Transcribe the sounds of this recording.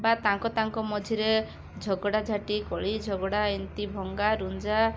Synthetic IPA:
bat̪aŋkɔt̪aŋkɔmɔd͡ʒʱiɾe | d͡ʒʱɔɡɔɽad͡ʒʱaʈikɔɭid͡ʒʱɔɡɔɽaint̪ibʱɔŋɡaɾund͡ʒa

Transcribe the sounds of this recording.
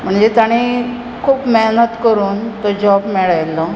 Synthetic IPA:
m̤əɳd͡ʑet̪aɽ̃i | kʰuːpmeɦnət̪kəɾuːnt̪ɔd͡ʑɔbmeɭajlɔ

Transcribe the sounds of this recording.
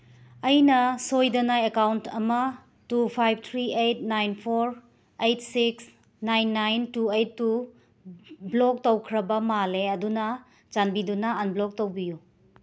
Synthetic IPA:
ɐjnɐsojdɐnajɐkawntʰɐmɐ | tupʰajb̚t̪ʰɾiejt̚najnpʰoɾ | ejt̚siks | najnːajntuejtːu | blok̚towkʰɾɐbɐmaleɐdunɐ | d͡ʒanbidunɐanblok̚towbiju

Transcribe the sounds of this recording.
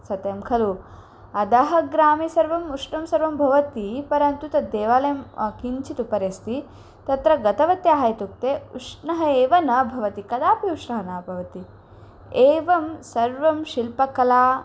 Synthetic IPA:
sɐt̪jɐmkʰɐlu | ɐd̪ɐɦɐ̆ɡɾaːmisɐɾʋɐmuʂnɐmsɐɾʋɐmbʱɐʋɐt̪ipɐɾɐnt̪ut̪ɐd̪eːʋaːlɐjɐmkiɲt͡ʃʰit̪upɐɾjɐst̪ʰi | t̪ɐt̪ɾɐɡɐt̪ɐʋɐt̪jaːɦɐjt̪uk̚t̪eːṵʂnɐɦɐeːʋɐnɐbʱɐʋɐt̪ikɐd̪aːpiuʂnɐɦɐnaːpɐʋɐt̪i | eːʋɐmsɐɾʋɐmʃilpɐkɐlaː

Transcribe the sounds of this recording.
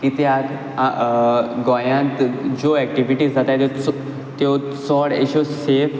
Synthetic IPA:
kit̪ja | a | ɡɔ̃jãnt̪d͡ʑoɛk̚ʈiʋiʈizd͡zat̪at̪ | t̪jo | sɔɽḛɕosef

